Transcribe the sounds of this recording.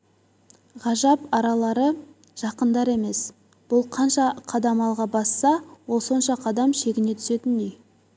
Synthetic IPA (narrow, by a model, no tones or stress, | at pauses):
ʁɑʒɑpɑɾɑlˠɑɾə | ʒ̥ɑqənd̪ɑɾe̞me̞s | b̥ʊlˠqʰɑnʃɑqʰɑd̪ɑmɑlˠʁɑbɑsːɑwo̞lˠso̞nʃɑqʰɑd̪ɑmʃe̞ɡʲɪne̞t̪ʰʏ̥se̞t̪ɪnd̪ej